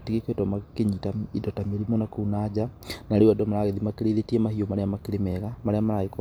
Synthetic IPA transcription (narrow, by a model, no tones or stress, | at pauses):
tiɣekwetɔmakeɲitaidɔtameɾimonakunad͡ʒanaɾewadɔmaɾaɣeðimakeɾeðetiɛmahiomaɾeamakeɾemɛɣamaɾeamaɾaik